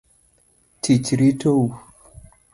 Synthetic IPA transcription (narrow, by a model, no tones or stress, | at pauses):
tʰit͡ʃɾitʰou